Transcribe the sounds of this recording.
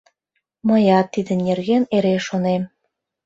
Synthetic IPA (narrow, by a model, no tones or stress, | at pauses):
mɤjɑt̪ːid̪ə̆nʲerɣeneɾeʃonem